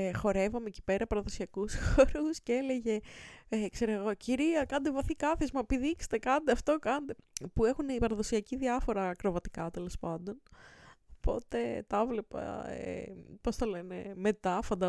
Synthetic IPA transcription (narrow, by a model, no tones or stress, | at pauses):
xo̞ɾe̞vɐmeci̥pe̞ɾɐpɐɾɐðo̞siɐkusxoɾusceele̞ʝe̞ekseɾoeɣo̞ciɾiɐkɐnd̪evɐθikɐθizmɐepiðikse̥t̪ekɐnd̪eɐft̪o̞kɐnd̪epue̞xunipɐɾɐðo̞siɐciðiɐfo̞ɾɐːkɾo̞vɐt̪i̥kɐt̪e̞lo̞spɐnd̪o̞nopo̞t̪e̞t̪ɐvle̞pɐ̰ḛpo̞st̪ɐle̞ne̞me̞t̪ɐfɐnd̪ɐ